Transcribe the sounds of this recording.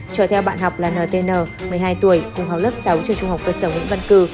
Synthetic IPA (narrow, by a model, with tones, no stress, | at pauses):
t͡ɕəː˧˩t̪ʰɛ˧wɓa̰ː˧˨nɦɔ˨˩wk͡p̚laː˨˩nəː˨˩t̪e˧nəː˨˩mɨ˨˩əjɦaː˧jt̪u˧˩əjkʊ˨˩ŋ͡mɦa˨˩wlə˦˥p̚sa˨˦wt͡ɕɛ˧t͡ɕʊ˧ŋ͡mha˨˩wk͡p̚kə˧səː˧˩ŋwḭ˧˥nvə˧nkɨ˧˩